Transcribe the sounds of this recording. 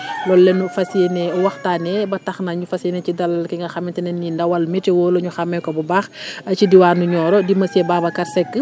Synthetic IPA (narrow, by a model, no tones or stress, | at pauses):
lɔlːɛnufɐsienɛɔwɐxtaːnɛbɐtɐxnaɲufɐsenɛcidɐlkiŋɡɐxɐmɛntɛnɛnːindɐwɐlmɛtɛwɔːloɲuxɐmːɛkɔbɐbaːxɐcidiwaːnuɲɔːɾɔdimɐsebaːbɐkɐɾsɛkːə